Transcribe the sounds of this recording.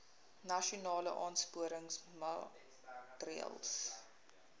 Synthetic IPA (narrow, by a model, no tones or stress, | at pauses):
nɐʃunɑːləʔɑːnspuəɾəŋsma | tɾḭə̰lˠs